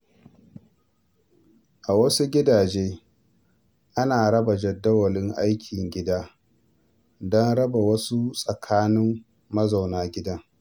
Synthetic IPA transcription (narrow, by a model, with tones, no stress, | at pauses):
ʔa˨wɐ˦su˦ɡʲɪ˦daː˨d͡ʒeː˦ | ʔa˦naː˨ɽɐ˦ba˨d͡ʒɐ˨dːɐ˦wɐ˨lɪ˦ŋʔa˦jkʲʰɪ˨ŋɡʲɪ˦daː˦ | dɔ˦nɽɐ˦ba˨wɐ˦su˦sʼɐ˨kʰaː˦nɪ˦mː | ɐ˦za˨wnaː˦ɡʲɪ˦dɐ˦ŋ